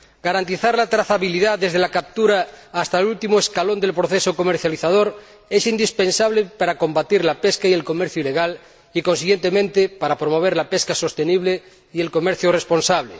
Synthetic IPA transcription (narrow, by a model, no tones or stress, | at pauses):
ɡ̥aɾant̪iθaɾlat̪ɾaθaβiliðaðezðelakap̚t̪uɾaːst̪alult̪imoeskalond̪elpɾoθesokomeɾθjaliθað̞oɾ | esind̪ispensaβ̞lepaɾako̞mbat̪iɾlapeskaielko̞meɾθjuile̞ɣal | iko̞ns̬iɣje̞nt̪emẽnt̪epaɾapɾomo̞β̞eɾlapeskaso̞st̪eniβle | ielko̞meɾθjurespo̞nsaβle